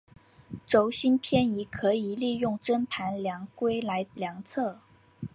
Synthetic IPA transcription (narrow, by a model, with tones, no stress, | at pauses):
ʈ͡ʂo˧˥ʊɕi˥npʰjɛ˥ni˧˥kʰɤ˧˥i˨˩li˥˧jʊ˥˩ŋʈ͡ʂə˥npʰa˧˥nljɑ˧˥ŋkwe˥ɪla˧˥ɪljɑ˧˥ŋt͡sʰɤ˥˩